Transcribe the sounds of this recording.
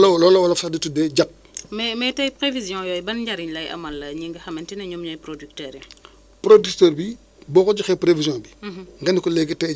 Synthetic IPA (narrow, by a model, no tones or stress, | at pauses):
lɐlɔːlɐwɐlɐfɐditudɛɟɐp̚ | mɛmɛtɐjpɾevizjɔ̃jɔjbɐnɲɟɐɾiɲlɐjʔɐ̰mɐlːɐɲiŋɡɐxɐmɛntɛnɐɲɔmɲɔjpɾodyktɛːɾɛ | pɾodyktɛɾbi | bɔːkɔd͡ʒixɛpɾevizjɔ̃biŋɡɐnikɔlɛɡitɛ